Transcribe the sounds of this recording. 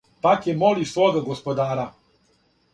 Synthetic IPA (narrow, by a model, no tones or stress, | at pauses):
pakjemoliwsʋoɡaɡospod̪aːɾa